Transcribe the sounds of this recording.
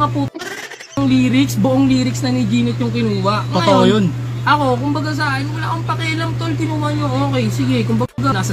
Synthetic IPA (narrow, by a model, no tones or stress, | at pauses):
kɐpuːt̪ɐ | ɐŋliːɾɪksbʊʔoŋliːɾɪksnɐnɪd͡ʒiːnɪt̪̚jʊŋkɪnuːwɐʔŋoɐj̪oʔojonʔɐko̞kʊmbɐɡas̬ɐʔaːʔɪnwɐlaːkʊŋpɐkɛlɐmt̪olkɪnuːhɐɲoʔoːkɛjsɪɡɛkʊmbɐɡanaːsɐ